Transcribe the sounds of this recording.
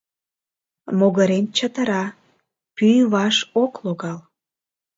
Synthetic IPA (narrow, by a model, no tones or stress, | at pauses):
moɣəɾent͡ɕət̪əɾɑ | pyjβɑʃokloɣɑl